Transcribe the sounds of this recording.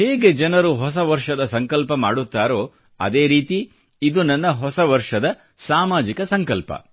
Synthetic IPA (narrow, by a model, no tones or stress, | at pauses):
heːɡe̞d͡ʒɐnɐɾuɦɔs̬ɐʋɐɾʂɐd̪ɐsɐŋkɐlpɐmaːɽut̪ːaːɾo̞ː | ɐ̰d̪e̞ːɾiːt̪i | id̪unɐnːɐɦɔsɐʋɐɾʂɐd̪ɐ | saːmaːd͡ʒikɐsɐŋkɐlpɐ̰